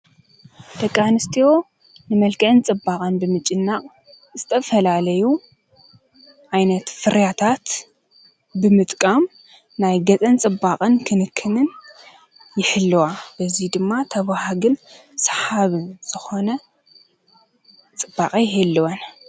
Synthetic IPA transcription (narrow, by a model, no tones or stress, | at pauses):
d̪̥ɐkʼːanɨst̪ʰio̞ | nɨmɐlkʰɨʕɨnt͡sʼɨbakʼɐnbɨmɨt͡ʃʼɪnːaχʼ | zɨt̪ʰɐfɐlalɐju | ʔajnɐt̪fɨɾjat̪ʰat̪ | bɨmɨt̪ʼkʼam | najɡɐt͡sʼɐnt͡sʼɨbːaqʼɨnkʰɨnɨkʰːɨnɨn | jɪħɨlːɨwab̥ɐzid̪ɨmːat̪ʰɐβahaɡɨn | sħaβɨnz̥ɨxo̞nɐ | t͡sʼɨbːaqʼijɪhɨlːɨwɐn